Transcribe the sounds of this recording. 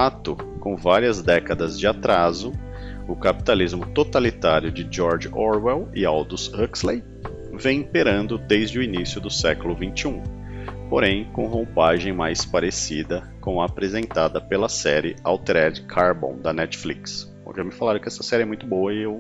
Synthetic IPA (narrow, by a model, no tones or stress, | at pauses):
at̪ʊkõw̃vaɾiɐzd̪ɛkɐd̪ɐzd͡ʒɪat̪ɾazʊ | ʊkapi̥t̪alizmʊt̪ot̪alit̪aɾjʊd͡ʒɪd͡ʒɔɾd͡ʒɔɾwɛwɪawd̪ʊshɐkslej | vẽj̃ĩpeɾɐ̃nd̪ʊd̪ejzd͡ʒɪʊinisjʊd̪ʊsɛkʊlʊvĩnt͡ʃiũpoɾẽj̃kõhõpaʒẽj̃majspaɾesid̪ɐ | kõɐːpɾezẽnt̪ad̪ɐpelɐsɛɾɪa̰wt̪ɾɛd͡ʒkʰaɾbõ̰w̃d̪ɐnɛt͡ʃfliks | oʒamɪfalaɾʊkɪɛst̪ɐ̥sɛɾiɪɛmũj̃t̪ʊbowɐɪew